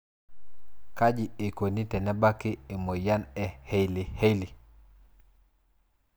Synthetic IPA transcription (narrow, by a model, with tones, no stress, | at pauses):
ka˦ɟi˨e˨ko˨ni˦te˨na˦ba˦kːi˦e˨mo˨ja˦ne˨he˦jli˨he˦jli˨